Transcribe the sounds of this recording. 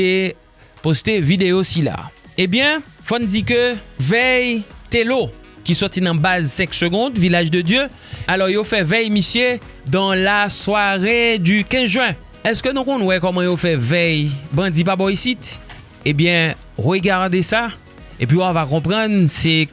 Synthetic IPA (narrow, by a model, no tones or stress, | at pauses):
e | post̪evid̪eosila̰ebjɛ̃fɔnd͡zikøvɛjt̪elokʲisɔʁt̪inɐ̃bazsɛ̃ksøɡɔ̃d̪vilaʒd̪əd̪jø | alɔʁjofɛvɛjmisje | d̪ɑ̃laswaʁed̪ykɛ̃zʒwɛ̃ | ɛskønũkɔ̃nwɛkɔmɑ̃jofɛvɛjbɑ̃d̪ip̬abɔjsit̪ | ebjɛ̃ | ʁøɡaʁd̪esa | ep̬ɥiavakɔ̃pʁɑ̃nsɛ